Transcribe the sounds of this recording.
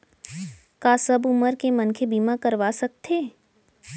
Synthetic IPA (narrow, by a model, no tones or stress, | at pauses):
kaːsɐbʊməɾkemɐnkʰebiːmakɐɾʋasɐk̚t̪ʰeː